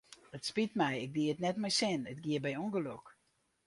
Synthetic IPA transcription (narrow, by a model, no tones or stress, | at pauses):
ətspitmɛjɪk̚diətnɛtmɛjsɪnətɡiəbɛjoŋɡəlok